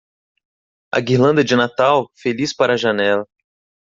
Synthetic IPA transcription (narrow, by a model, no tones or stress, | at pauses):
ɐ̰ɡiɾlɐ̃nd̪ɐd͡ʒɪnat̪awfelispaɾɐːʒanɛlɐ